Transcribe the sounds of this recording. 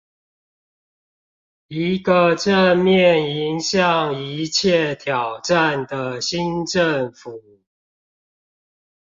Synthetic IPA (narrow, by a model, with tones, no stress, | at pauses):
i˨˦ɡə˨ʈ͡ʂə˥˧mjɛ˥˨ni˨˦nɕjɑ˨ŋi˧˦t͡ɕʰjɛ˥˨t̪ʰjɑ˨˩ʊʈ͡ʂa˥˨nd̪ə˩ɕi˦nʈ͡ʂə˥˨ŋfu˨˩˦